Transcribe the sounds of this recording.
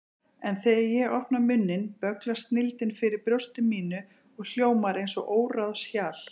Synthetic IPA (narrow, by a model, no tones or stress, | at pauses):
ɛnθɛɾjɛɣɔhpnamʏnːɪnpœklast̪nɪlt̪ɪnfɪɾɪɾpɾjost̪ɪmiːnʏ | ɔɣl̥joːwmaɾejnsɔʔoːwɾaðɔsjaːl̥